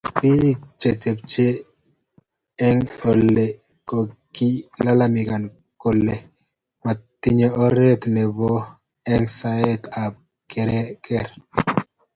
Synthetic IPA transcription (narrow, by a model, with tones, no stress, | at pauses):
pi˦t͡ʃe˨t͡ʃɛ˨p̚t͡ʃe˦ | ɛ˦ŋo˨lːe˨ | ko˨ki˦la˦la˦mi˨ka˨n | ko˨lːe˨ | ma˨t̪i˦ɲɔ˨ɔ˦ɾe˦t̪nɛ˨bɔ˦ | ɛ˦ŋsa˦ɛ˦t̪a˨p̚ | kɛ˨ɾɛ˦kɛ˦ɾ